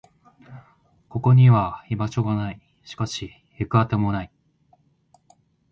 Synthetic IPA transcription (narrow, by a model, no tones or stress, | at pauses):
ko̞ko̞ɲ̟iβaimat͡ɕo̞ɡanai | ɕi̥kaɕi | jɯkɯ̟at̪emo̞nai